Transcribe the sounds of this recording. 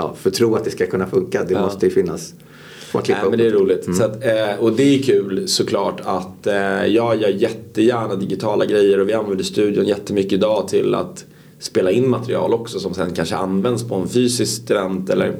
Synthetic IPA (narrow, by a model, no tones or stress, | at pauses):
ɑ̰ːfœt̪ʰɾuːat̪̚d̪ɛskakʰɵnːafɵŋkad̪ɛmɔst̪əjəfɪnːas | ɔakʰlɪmɛnd̪ɛæɾɾuːlɪt̪sat̪ɔd̪ɛækʰʉ̟ːlsɔkʰlɑːʈat̪jɑːɡjœːɾjɛt̪ːəjæːɳad̪ɪɡɪt̪ʰɑːlaɡɾɛjːəɾɔvɪanvɛnd̪əʂt̪ʉ̟ːd̪jʊnjɛt̪ːəmʏkːəɪd̪ɑːt̪ʰɪla̰t̪ | speːlaɪnːmat̪ɾɪɑ̰ːlɔksɔsɔmsɛnkʰanʂə̰ʔa̰nvɛnd̪spʰɔɛnfyːsɪskst̪ɵvɛnt̪ɛlːə̰ɾ